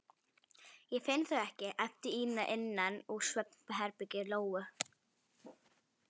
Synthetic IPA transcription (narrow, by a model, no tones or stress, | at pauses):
jɛfɪnθœɣɛhcɪʔajlt̪ɪiːnaʔɪnːanusvœpnɦɛɾpɪcɪloːwʏ